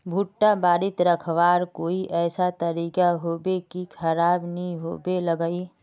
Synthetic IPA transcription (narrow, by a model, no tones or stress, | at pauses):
bʱuʈːabaːɾɪt̪ɾɐkʰʋaːɾkoːiʔɛːsat̪ɐɾiːkaɦoːbekikʰɐɾaːbnɐɦĩɦo̰ːbeləɡəi